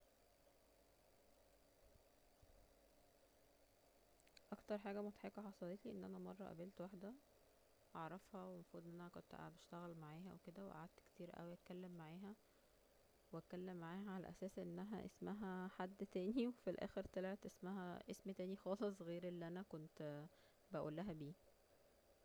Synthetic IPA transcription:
ʔɑkt̪ɑɾˤħaːɡæmot̪ħekɑħɑsˤɑlet̪iʔenːʔænæmɑrˤːɑ̰ʔæ̰belt̪waħd̪æ | ʔɑʕɾˤɑfhɑwemæfɾuːd̪enːʔænækont̪ʔa̰beʃt̪æɣælmaʕaːɦæʔweked̪æweʔa̰ʕad̪̚t̪ke̥t̪iːɾʔæ̰wiʔæt̪̚kælːemːaʕaːɦæ | weækælːemːaʕaːhæʕalæ̰ʔæsæːsʔenːæɦæ̰ʔḛsmæɦæħad̪ːt̪æːniwefilʔæ̰ːxeɾt̪elʕet̪ʔesmæɦæ̰ʔesmt̪æːnixɑːlesˤɣeːɾelːiʔænækont̪ | bæʔṵːlːæɦæbiː

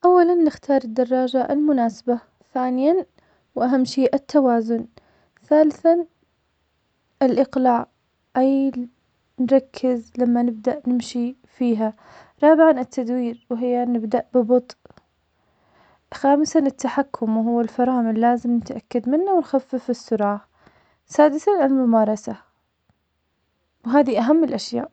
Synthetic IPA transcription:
ʔawːalanːɪxt̪ʰɑːɾˤɪd̪ːɑrˤːɑːd͡ʒaʔɪ̰lmʊnaːsḁba | θaːnɪjan | wʔaɦamːʃiːʔat̪ːawaːzʊn | θaːlɪθan | ʔɪlʔɪqlaːʕ | ʔaj | nɾˤɑkʰːɪzlamːanɪb̚d̪aʔnɪmʃi | fiːɦa | ɾˤɑːbɪʕanɪt̪ːad̪wiːɾwɦɪjːanɪbd̪aʔbɪbɑt̪ˤ | xaːmɪsanɪt̪ːaħakʰːʊmwɦʊwːalfɑɾˤɑːmɪlːaːzɪmnɪt̪ʔa̰kːad̪mɪnːawɪnxafːɪfɪsːʊɾˤɑːʕ | saːd̪ɪθanɪlmʊmɑːɾˤɑsa | wɦaːðiʔaɦamːɪlʔaʃja̰ːʔ

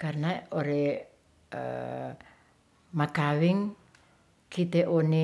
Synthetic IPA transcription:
karnaoɾe | ə̰ | maɡ̥awɪŋ | kʰit̪eʔone

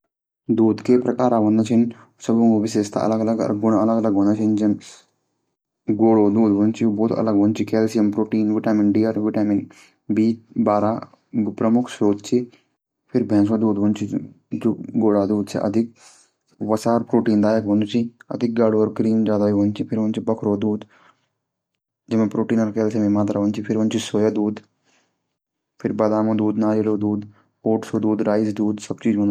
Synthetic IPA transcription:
d̪uːd̪keːpɾɐkaːɾɐʋɐnd̪ɐt͡ʃin | sɐbuŋubiseːst̪a̰ʔɐ̰laːɡɐlaɡɡunɐlaːɡɐlaːɡɡunat͡ʃeɲd͡ʒɐm | ɡoːɽoːd̪uːd̪ʋont͡ʃiboːt̪ɐ̰laːɡʋont͡ʃikeːlsijɐmpɾoːʈiːnʋiʈaːminɖijaːɾʋiʈaːmin | biːbaːɾaː | pɾɐmukʰsɾoːd̪t͡ʃi | pʰiɾbʱeːns̬ɐd̪uːd̪ʋunt͡ʃi | d͡ʒoɡoːɽaːd̪uːd̪t͡ʃʰḛʔɐ̰d̪ʱɪk̚ | ʋɐsaːɾpɾoːʈiːnd̪aːjəkʋɐnʊt͡ʃiɐ̰d̪ʱɪk̚ɡaːɽoːɔɾkɾiːmd͡ʒaːd̪aiɦoːnt͡ʃʰipʰɪɾʋont͡ʃibɐkʰɾoːd̪uːd̪ | d͡ʒɪmẽpɾoːʈiːnəɾkɛːlt͡ʃʰemẽmaːt̪̬ɾaʋənt͡ʃipʰɪɾənt͡ʃisoːjaːd̪uːd̪ | pʰɪɾbɐd̪aːmõːd̪uːd̪naːɾeloːd̪uːd̪ | oːʈsoːd̪uːd̪ɾaːɪsd̪uːd̪sɐb̚t͡ʃiːd͡ʒʋon

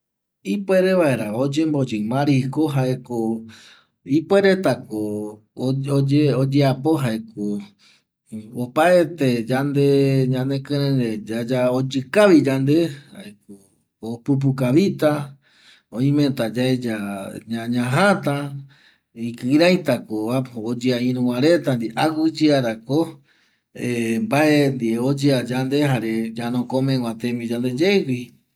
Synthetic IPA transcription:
ipweɾe̞ʋae̞ɾaod͡ʒembod͡ʒɨmãɾikoɦaʔeko | ipwe̞ɾet̪ako | od͡ʒeod͡ʒeapo̞ɦaeko | opaet̪ed͡ʒand̪e̞ɲãnẽkɨ̃ɾẽɾed͡ʒad͡ʒaod͡ʒɨkaʋid͡ʒand̪e̞hha̰ek̚o | opup̬ukaβit̪a | õĩmẽt̪ad͡ʒaed͡ʒaɲãɲãɦat̪a | ikɨɾajt̪akoβaod͡ʒɨaĩɾũwaɾet̪and̪iʔaɡɨd͡ʒɨaɾako | embaʔend̪ieod͡ʒɨad͡ʒand̪eɦaɾed͡ʒanõkomẽɡwãt̪ẽmĩd͡ʒand̪ed͡ʒewi

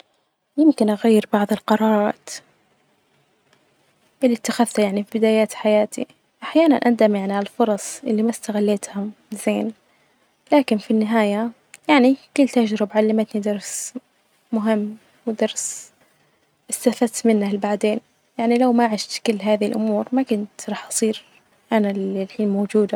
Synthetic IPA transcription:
jɪmkɪnʔaɣajːɪɾbɑʕðˤɨlqɑɾˤɑːɾˤɑːt̪ | ʔɪlːit̪ːaxaðt̪ajaʕnifibɪd̪aːjaːt̪ħajaːt̪ḭ | ʔaħjaːna̰nʔad̪amjaʕniʕallfʊɾˤɑsˤʔɪ̰lːimast̪aɣalːeːt̪hʊmz̥eːn | laːkɪnfinːɪɦaːja | jaʕnikɪlːt̪aʒɾɪbʕalːamat̪nid̪ɑɾˤs | mʊɦɪmː | wɪd̪ɑɾˤs | ʔɪst̪afat̪mɪnːalbaʕd̪eːn | jaʕnilawmaʔʕɪʃt̪kɪlːɦaːðɪlʔʊmuːɾmakʊnt̪ɾˤɑːħʔɑsˤiːɾ | ʔanaɪlħiːnmowːd͡ʒuːd̪a

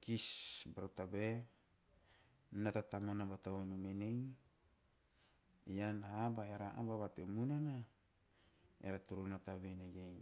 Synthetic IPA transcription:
kisbaɾotabe | natatamanabatawonumenej | ianaːbaeɾaʔabaβateumunana | ḛɾatuɾunataβeneɡej

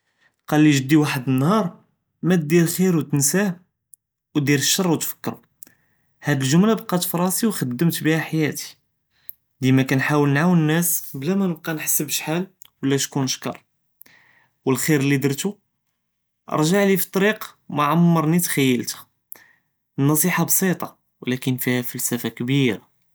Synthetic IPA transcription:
qɑlːiʒəd̪ːiwaħəd̪ənːhɑɾˤ | mæt̪̚d̪iɾxiɾwt̪ənsæ | wd̪iɾəʃːɑrˤːwt̪fə̥kːɾu | hæd̪əlʒʊmlabqɑt̪fɾˤɑsiwxəd̪ːəmt̪bihæħajæt̪i̥ | d̪imækænħawəlnʕawənːæsblæmænəb̚qɑnħə̥sːəbəʃħalwəlːæʃkunʃkɑ̰ɾˤ | wəlxiɾəlːid̪əɾt̪u | ʔə̰ɾˤʒaʕlifi̥t̪ˤːɑɾiqmaʕammːɑɾˤnit̪xæjːəlt̪ə̥ | ənːɑsˤiħɑbsˤit̪ˤɑ | wlækənfihæfælsæfakbiɾa

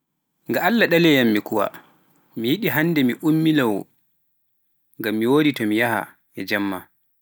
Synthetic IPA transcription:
ŋɡaalːaɗalɛjamːikuwa̰ | mijiɗiɦanːdɛmiʔumːilawɔ̰ | ŋɡamːiwoːditɔmijaha̰ | ɛd͡ʒamːa

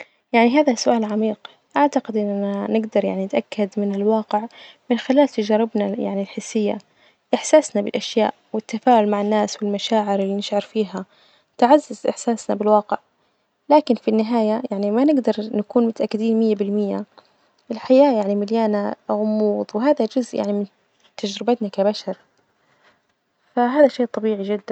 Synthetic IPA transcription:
jaʕniɦaːðasʊʔaːlʕamiːq | ʔaʕt̪aqɪd̪ʔɪnːaanɪɡd̪ɑɾˤja̰ʕninɪt̪ʔakːad̪mɪnɪlwɑːqɪʕmɪnxɪlaːlt̪ad͡ʒɑːɾˤɪbnaja̰ʕnilħɪsːɪjːa̰ | ʔɪħsaːsnabɪlʔaʃja̰ːʔwɪt̪ːafaːʔʊlmaʕanːaːswɪlmaʃaːʕɪɾɪlːiːnɪʃʕɑɾˤfiːɦa | t̪ʕazːazʔɪ̰ħsaːsnabɪlwɑːqɪʕ | laːkɪnfinːɪɦaːjajaʕnimanɪɡd̪ɑɾˤnakuːnmʊt̪aʔakːɪd̪iːnmɪjːabɪlmɪjːa | ʔɪlħajaːjaʕnimɪljaːnaɣʊmːuːðˤwɪɦaːðad͡ʒʊzʔja̰ʕnimɪn | t̪ad͡ʒɾɪbat̪nakabaʃɑɾˤ | faɦaːðaʃeːʔt̪ˤɑbiːʕid͡ʒɪd̪ːan

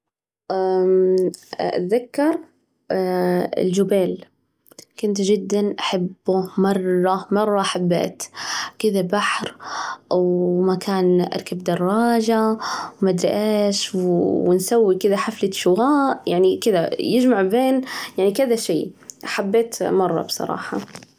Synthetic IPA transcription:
ʔa | ʔa̰t̪ðakːɑɾˤ | ɪ̰ld͡ʒʊbeːl | kʊnt̪d͡ʒɪd̪ːanʔaħabːmɑrˤːɑmɑrˤːɑʔaħabːḛːt̪kɪðabaħɾ | wmakaːnʔɑ̰ɾˤkabd̪ɑrˤːɑːʒawmad̪ɾɪ̰ʔeːʃwwɪnsawːikɪðaħaflaʃʊwaːʔjaʕnikɪðajɪd͡ʒmaʕbeːnjaʕnikɪðaʃḭːʔaħabːeːt̪mɑrˤːɑ̰bsˤɑ̰ɾˤɑ̰ːħɑ

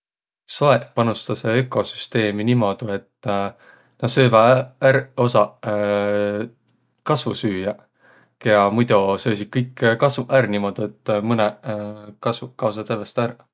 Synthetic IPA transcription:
soepɑnust̪ɑseekːˑo̞sy̥st̪e̞ːminimo̞d̪̥ue̞t̪ː | nɑd̪̥sø̞ːvɑæɾo̞sɑ | kɑsvṵsyːjɑ | keɑmujd̪usø̞ːs̬id̪̥̚kɤjkːkɑsuʔærnimo̞d̪̥ue̞t̪ˑːmɤnekɑsukɑws̬ɑt̪evest̪ær

